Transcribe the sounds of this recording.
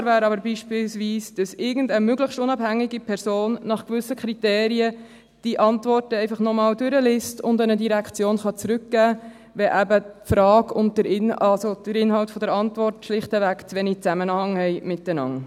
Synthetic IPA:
ɾvæːɾɑbəɾbiːʃpɪlsʋiːsd̥ɑsɪɾɡən̩dəmøɡləχʃtʊnɑbhæŋːiɡipʰɛɾsoːnːɑχkvʏsːəkʰɾiteːɾiə | d̥iʔɑntvɔrtəɛɪfɑχnɔmɑːldʏɾəlɪstʊndənədiɾækχt͡sjoːnχɑt͡sɾʉkɡ̥æː | vɛʔæbətfɾɑːɡʊnd̚dəɾɪnɑlsod̥əɾɪnɦɑltfɔdəɾɑntvɔrtʃlɪχtəvækt͡sʋɛnit͡sæmənhɑŋhɛɪmɪt̚d̥ənɑ̰ŋ

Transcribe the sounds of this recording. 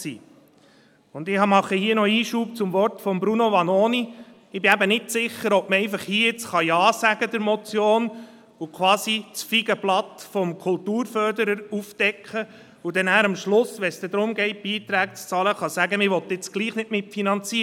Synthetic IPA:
sḭː | ʊnd̪ɪhɑmɑχəhiːənɔiːʃuːp̚t͡sʊmʋɔrtfɔmbɾunoʋɑnoːni | ɪbɪæbənɪtsɪχːəɾɔp̚məɛɪfəχhiːɪt͡sχɑjɑːsæɡ̥əd̪əɾmɔt͡sjoːn | ukʰʋwɑːsit͡sfiɡəblɑt̪fɔmkʰʊlt̪uːɾfœɾdəɾəɾufd̥ɛkχə | ud̥̪ɛnæːɾɑmʃlʊsʋɛsd̥̪ɛd̪ɾʊmɡɛɪt̚b̥iːt̪ɾæːk̚t͡st͡sɑːləχɑsæɡəmɪʋɔt̪ɪt͡sɡ̥liːχnɪtmɪtfinɑnt͡siːə

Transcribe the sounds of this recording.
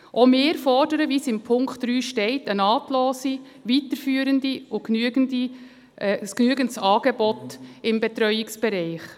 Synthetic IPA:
ʔomeːɾfɔrdəɾəvisɪmpʰʊŋkχtd̥ɾyːʃtɛɪtənɑːtloːsi | ʋitəɾfyːəɾəndiʊknyəɡəndi | sknyːəɡəntsɑːɡ̥ɛbɔtɪmbɛtɾœʏɪksb̥ɛɾɛɪχ

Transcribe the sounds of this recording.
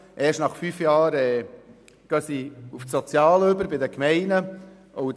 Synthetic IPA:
ʔɛːʃnɑχfyːfjɑːɾɛː | ɡ̥ɑsiufsot͡sjɑːløbəɾbɪdəkmɛɪnə | ʔɔʊ

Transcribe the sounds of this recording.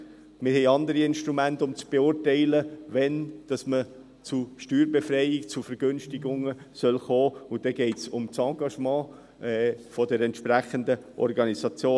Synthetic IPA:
mɪɾɦɛɪɑnd̪əɾiɪnʃtɾumæntʊmt͡sb̥eʊɾtɛɪləʋɛnd̥ɑsmə | t͡suʃtyːɾbefɾɛɪɪkt͡sufɛɾɡ̥ønʃtiɡʊŋəsœlχoːʊd̥ɛɡ̥ɛɪtsʊmt͡sɑɡɑʃmɑ̃ː | ɛfɔdɛɾɛntʃpɾæχənd̪əʔɔ̰ɾɡɑnisɑt͡sjoː

